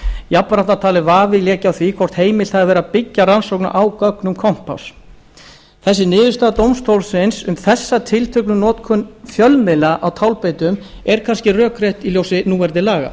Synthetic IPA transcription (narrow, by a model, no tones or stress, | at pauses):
japːaɾaht̪at̪ʰaːlɪvaːvɪljɛːcawθvikʰvɔr̥t̪heːjmɪl̥θaðavɛːɾapɪcːaransowkna̰ʔawkœknʏmkʰɔm̥paws | θɛsːɪnɪːðɪɾst̪aːt̪owmst̪ʰowlsɪnsʏmθɛsːat̪ʰɪlt̪ʰœknʏnɔːt̪kʰʏnfjœlmɪlaʔawt̪ʰawlpeːjt̪ʏm | ɛɾ̥kʰanscɪrœːkɾeht̪iljowsɪnuːvɛɾðɪlaːɣa̰